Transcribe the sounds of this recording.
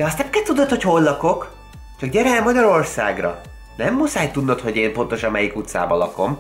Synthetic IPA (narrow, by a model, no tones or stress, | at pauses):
d̪ɛɒst̪ɛmkɛt̪ud̪ot̪ho̞cho̞lːɒko̞k | t͡ʃɒkɟɛɾɛɛmɒɟɒɾo̞rsa̰ːɡrɒ̰ | nɛmːusaːjt̪ːud̪ːot̪ho̞ɟeːmpo̞nt̪o̞ʃɒmːɛjikut̪sa̰ːbɒlɒ̰ko̞m